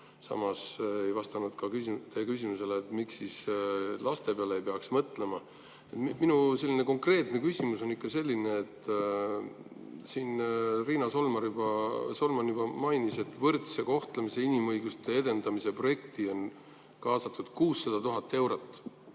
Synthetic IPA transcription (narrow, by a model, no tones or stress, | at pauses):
sɑ̰mɑse̞jvɑst̪ɑnud̪̥kɑkysit̪ekys̬ʲimuse̞leːt̪ːmiksːislɑst̪e̞peɑleejpeɑksmɤt̪ːˑle̞mɑ | et̪minuse̞lːine̞ko̞ŋkre̞ːt̪nekysʲimuso̞nikːɑse̞lʲːine̞ːt̪ːˑ | siːnriːnɑso̞lmɑɾjubɑso̞lmɑnjub̥ɑmɑjnise̞t̪ːvɤrt̪se̞ko̞ht̪lemise̞inimɤjɡ̥ust̪e̞ed̪e̞nd̪̥ɑmise̞pro̞je̞kt̪io̞n | kɑːsɑt̪ːˑud̪̥kuːsːɑd̪̥ɑt̪uɦɑt̪ˑːe̞wɾot̪ˑː